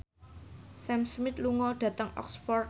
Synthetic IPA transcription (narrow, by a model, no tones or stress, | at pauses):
sɛmsmɪt̪luŋɔɖ̥ä̤t̪əŋɔ̰ksfɔr